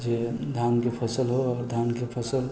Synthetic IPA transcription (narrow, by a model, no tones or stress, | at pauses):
d͡ʒed̪ʱaːmkepʰəsəlɦoɔːɾd̪ʱaːnkepʰəsəl